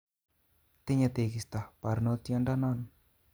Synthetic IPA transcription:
t̪eɲat̪ekist̪apaɾnot̪iandanan

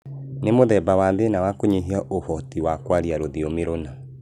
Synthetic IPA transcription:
nemoðɛbawaðenawakoɲeɦiaʔohɔtiwakwaɾiaɾoðiomeɾona

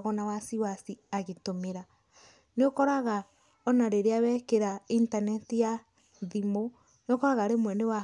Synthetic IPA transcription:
ɣɔnawasiwasiaɣetomeɾa | neokɔɾaɣa | ɔnaɾeɾeawɛkeɾaintanɛtija | ðimo | neokɔɾaɣaɾemwɛnewa

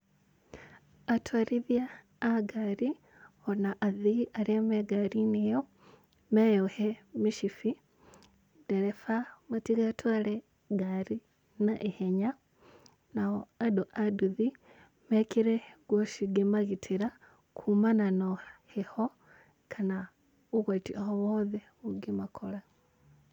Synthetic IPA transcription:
atʰwaɾiðjaː | ɡaɾi | honaʔaðiʔaɾiameɡaɾinijo | mejohemiʃifi | deɾefamatiɣatʰwale | ɡaɾi | naʔeheɲa | naoadoʔaduði | mekiɾeɡwoʃiɡimaɣitʰiɾa | kʰumananoheho | kʰana | uɣwatiʔahowoðe | uɡimakʰola

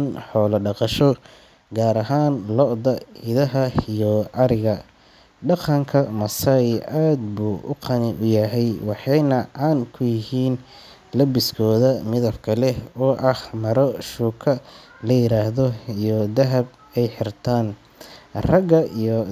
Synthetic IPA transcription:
nħɔːlɐɖɑqɑʃɔ | ɡaːɾɐɦaːnlɔʔd̪ɐɪðɐɦɐijɔɑɾɪɣɐ | ɖɑqɑŋkʰɐmɐsɐjʔaːd̪buːʔʊ̰qʰɑnɪʔʊjɐɦɛjwɑħɑjnɐʕɑnkʰʊjɪɦiːn | lɐbɪskʰɔːðɐmɪðɐbkʰɐlɛɔːʔɐhmɐɾɔʃuːkʰɐ | lɐjɪɾaːhðɔijɔd̪ɐɦɐb̚ | ɛjħɪrt̪ʰaːn | rɐɡɐijɔ

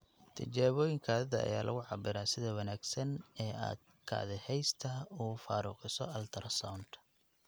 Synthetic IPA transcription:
t̪ʰɐt͡ʃaːβɔːjɪŋkʰaːðɐðɐɐ̰jaːlʔɐ̰ɣʊʕɑbɪɾaːsɪðɐwɐnaːɡsɐnɛːa̰ːd̪̥̚ | kʰa̰ːðɪhɛjst̪ʰɐuːfaːɾuːqɪsɔɐlt̪ʰɐɾɐsawnt̪

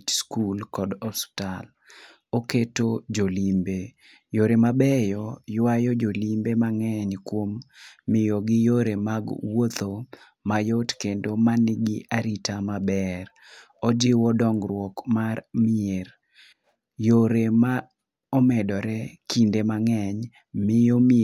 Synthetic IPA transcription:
t͡ʃskulkɔdɔstal | oketod͡ʒolimbe | joɾemabɛjɔjwajɔd͡ʒolimbemaŋɛɲkwomːɪjoɡɪjoɾemaɡwot̪o | majotkendomanɪɡɪʔaɾitamabɛɾ | ɔd͡ʒɪwɔdɔŋɡɾwɔkmarmɪeɾ | joɾema | ɔmɛdɔɾɛkindemaŋɛɲ | mɪjom

